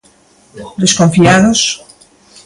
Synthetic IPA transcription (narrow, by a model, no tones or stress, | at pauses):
d̪eskoɱfiaðos